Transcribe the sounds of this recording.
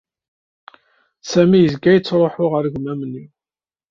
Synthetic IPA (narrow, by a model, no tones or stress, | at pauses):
sæmijəzɡæjət͡sːɾˤoħʊʁəɾɡʷmæmnːi